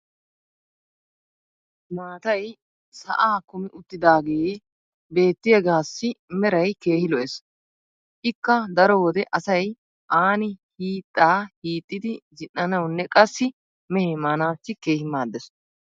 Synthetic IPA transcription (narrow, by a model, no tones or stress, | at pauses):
maːt̪ɐj | sɐ̰ʔaːkʊmɪʔʊt̪ːɪd̪aːɡɛje | be̞ːt̪ːɪjɛɡaːsːɪmɛɾɐjke̞ːhɪlɔʔɛs | ʔɪkːɐd̪ɐɾɔwɔd̪ɛʔɐsɐj | ʔaːnɪhiːt̪ʼːaːhiːt̪ʼːɪd̪ɪd͡ʒɪnːɐnɐwnːɛkʼɐsːɪ | mɛhemaːnaːt͡sːɪke̞ːhɪmaːd̪ɛs